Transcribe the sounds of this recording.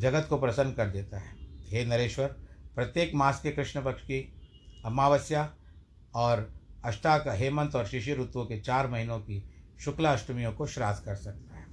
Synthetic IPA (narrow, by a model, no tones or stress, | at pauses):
d͡ʒɐɡət̪kopɾɐsə̃nd̪kɐɾd̪eːt̪aɦɛːɦeːnɐɾeːʃwəɾpɾɐt̪jeːkmaːskekɾɪʃɳəpɐkʃki | ɐmaːʋəsja | ɔːɾɐʃʈakaɦeːmə̃nt̪ɔːɾʃɪʃijəɾʊt̪wõket͡ʃaːɾmɐɦinõkiʃʊklaɐʃʈəmijõkoʃɾaːd̪ʱkɐɾsɐk̚t̪aɦɛː